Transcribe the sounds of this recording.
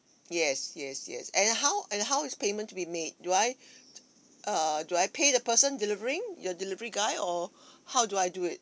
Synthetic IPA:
jɛsjɛsjɛ̰sɛ̃nɦawʔɛ̃nɦaʊɪtspemə̃ntːubimed̚ːuaj | ʔʌduajpʰedəpəsə̃ndilivəɹɪ̃ŋjɔdilivəɹiɡaɪɔhawduajduɪt̚

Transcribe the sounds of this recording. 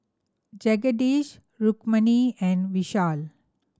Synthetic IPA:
d͡ʒɛɡəɖiːʃ | ɾukməniɛ̃nɖʋiʃaːl

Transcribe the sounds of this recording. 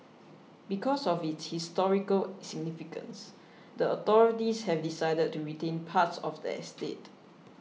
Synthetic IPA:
bikʰɔsɔfitshistɔɹikəlsiɡ̚nifikə̰̃ns | dəɔt̪ɔɹitishɛvdisaɪdəd̚tːuɹitẽnpʰatsɔfdɛ̰ɛstḛt

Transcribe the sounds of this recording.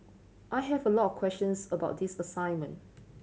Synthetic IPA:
ʔajɦɛvəlɔtɔfkʰwɛst͡ʃə̃nsəbaʊt̚disəsãɪ̃nmə̰̃n

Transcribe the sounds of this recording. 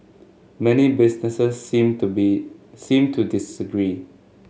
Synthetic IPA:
mɛnibisnɛsəsm | sĩmtʰudisəɡɹi

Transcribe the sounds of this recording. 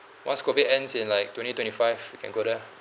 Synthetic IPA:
wã̰nskovidɛ̃nsĩnlaɪk̚twɛ̃ntitwɛ̃ntifaɪvwikʰɛ̰̃nɡodə

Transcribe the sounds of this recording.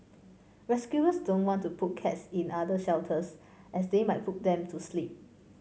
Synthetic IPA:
ɹɛskjuəsdõnwɔ̃ntupʰut̚kʰɛtsĩnadəʃɛltʰəs | ʔɛsdemajt̚put̚dɛ̃mtʰuslip̚

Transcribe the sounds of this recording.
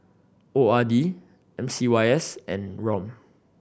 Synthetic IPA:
oadi | ʔɛ̃msiwaɪɛsɛ̰̃nɹɔ̃m

